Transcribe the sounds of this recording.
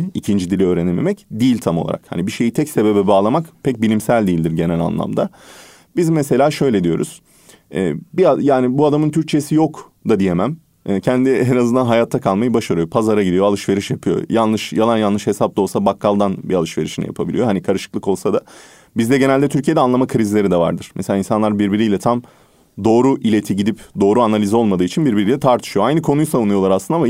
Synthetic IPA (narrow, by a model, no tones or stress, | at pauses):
icʰind͡ʒid̪ilʲiøːɾenemḛmɛcd̪iːlʲt̪ʰamolˠa̰ɾa̰kha̰nibiʃe̞jit̪ʰɛcse̞be̞bɛbaːlˠamakpʰɛc̚bilʲimsælʲd̪iːlʲd̪iɾɟe̞nɛlʲa̰nlˠa̰md̪a | bizmese̞lʲaːʃø̞jlʲed̪ijo̞̰ɾṵz̥ | ɛ̰ːbiajaːnibuad̪amɯnt̪ʰyɾc̚t͡ʃʰe̞sijok | d̪ad̪ije̞mæm | ɛːcʰænd̪iɦenazɯnd̪anɦajat̪ʰːakʰalˠmajɯbaʃaɾɯjo̞pʰazaɾaɟid̪ijoalˠɯʃve̞ɾiʃjapʰɯjo̞̰janlˠɯʃjalˠanjallˠɯʃhe̞sap̚d̪aolˠsabakʰːalˠd̪anbialˠɯʃve̞ɾiʃinḭja̰pʰabilʲijo̞ɦanikʰaɾɯʃɯ̥klˠɯko̞lˠsad̪a | bizd̪ɛɟe̞nælʲd̪ɛt̪ʰyɾcʰije̞d̪ɛanlˠamakʰɯɾizilʲe̞ɾid̪ɛva̰ɾd̪ɯɾ̥meselʲainsanlˠaɾbiɾbiɾijlʲɛt̪ʰam | d̪o̞ːɾuʔilʲe̞t̪ʰiɟid̪ipd̪o̞ːɾuanalʲizo̞lˠmad̪ɯːit͡ʃʰinbiɾbiɾilʲɛt̪ʰaɾt̪ʰɯ̥ʃɯjoajnɯkʰo̞nujsaunˠujo̞lˠaɾaslɯnama